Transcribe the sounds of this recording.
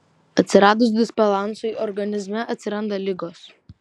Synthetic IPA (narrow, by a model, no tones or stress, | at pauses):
ɐt̪ʲsʲɪɾɑːd̪ʊsd̪ʲɪsbʲɛlˠɑˑnsʊiɔɾɡɐnʲɪzʲmʲɛʔɐt̪ʲsʲɪɾɐnd̪ɐlʲɪɡoːs